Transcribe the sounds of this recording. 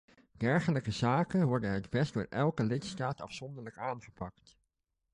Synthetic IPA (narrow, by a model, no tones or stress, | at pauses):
d̥ɛɹχələkəzaːkənʋɔɹdənɦədbɛsdʊːɹʔɛlˠkəlɪtstaːtɑ̰fsɔndəɹləkaːnχəpɑkt